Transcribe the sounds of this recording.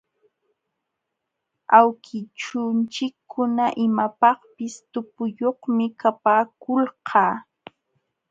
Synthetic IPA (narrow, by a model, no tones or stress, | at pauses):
awkʰɪt͡ʃʊnt͡ʃɪkʰːʊnaʔɪmapɑχpɪst̪ʊpʊjoχmɪkapaːkʊlqʰɑː